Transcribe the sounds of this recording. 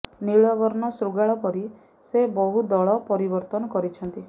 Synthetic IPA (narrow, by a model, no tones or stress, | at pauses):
niɭɔɡɔɾnɔsɾuɡaɭɔpɔɾi | sebɔɦud̪ɔɭɔpɔɾibɔɾt̪ɔnɔkɔɾit͡ʃʰɔnt̪i